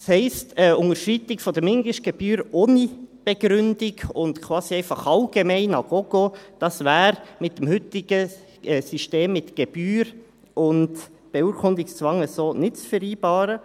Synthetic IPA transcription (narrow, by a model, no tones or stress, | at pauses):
shɛɪstʰɛʊŋəɾʃit̪ɪkfɔd̪əmɪŋɡɪʃtɡ̥ɛb̥yːɾoːnib̥eɡ̥ɾʏndɪkʊntkʰwɑːsiɛɪfɑχɑlɡ̥emɛɪnɑɡɔɡod̥ɑsvæːɾmɪtːəmhʏtɪɡ̥ə | ɛsyʃteːmːɪtɡ̥ɛb̥yːɾ | ʊnt | b̥ɛuːɾkʰʊndlɪkst͡svɑŋəsoːnɪt̚t͡sfəɾiːb̥ɑːɾə